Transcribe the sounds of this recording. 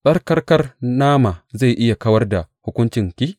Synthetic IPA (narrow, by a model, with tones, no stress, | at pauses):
sʼɐ˦rkɐ˦rkɐ˦rnaː˦ma˨za˦˨jʔɪ˦ja˨kɐ˦wɐ˦rda˨hʊ˦kʷʊ˦nt͡ʃɪ˨ŋkʲi˦